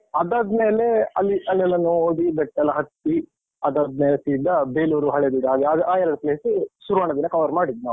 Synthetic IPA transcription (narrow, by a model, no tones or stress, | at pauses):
ɐd̪aːd̪meːleɐ̰lːiʔɐlɛlːɐnooɽibɛʈːɐlɐɦɐt̪ːi | ɐd̪aːd̪meːlet̪iːɖd̪ɐbeːluːɾuɦɐɭed̪id̪aːɡeɐd̪ʔaːjɐlɐd̪ɐpleːsisuɾuʋaːɳɐd̪inːɐkɐʋɐɾmaːɽid̪inaː